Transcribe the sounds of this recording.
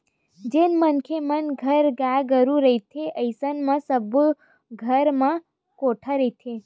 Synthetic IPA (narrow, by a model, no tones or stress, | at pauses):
d͡ʒenmənkʰemənɡʱəɾɡaɡəɾũɾəit̪ʰeʔəjsənmãsəb | ɡʱəɾmã | koʈʰaɾəit̪ʰe